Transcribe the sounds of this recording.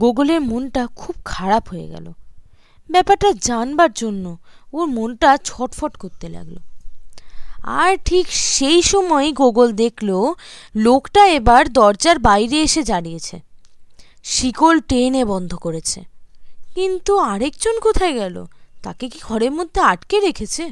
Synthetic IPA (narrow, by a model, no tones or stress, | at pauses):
ɡoɡoleɾmonʈakʰub̚kʰaɾapɦoḛɡɛ̰lo̰ | bɛpaɾʈad͡ʑanbaɾd͡ʑonːooɾmonʈat͡ɕʰɔʈfɔʈkoɾt̪ela̰ɡlo̰ | a̰ɾʈʰikʃejʃɔmɔeɡoɡold̪ekʰlolokʈaebaɾd̪ɔɾd͡ʑaɾbajɾeeʃed͡ʑaɽijet͡ɕʰḛ | ʃikolʈenebɔnd̪ʱokoɾet͡ɕʰḛkint̪uaɾekd͡ʑonkot̪ʰaeɡɛlo̰t̪a̰kekiɡʱɔɾeɾmod̪ʱːeaʈkeɾekʰet͡ɕʰe